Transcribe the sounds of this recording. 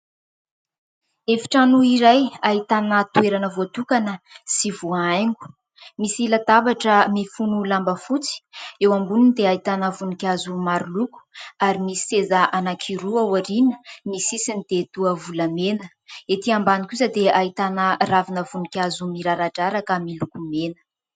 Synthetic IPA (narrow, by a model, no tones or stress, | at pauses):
efi̥ʈ͡ʂanuiɾajaɦit̪anət̪ueɾanəvoat̪ukanəsivuajŋɡu̥ | misilat̪abaʈ͡ʂəmifunulambəfut͡si̥ewambununid̪eait̪anəvunikʲazumaɾuluku̥aɾimisi̥sezəʔanakʰiɾuawaɾinə̥misisinid̪̥et̪uəvuləmenə | et̪iambanikʲuzad̪eait̪anəravinəvunikʲazumiɾaɾaʈ͡ʂaɾakəmilukumenə̥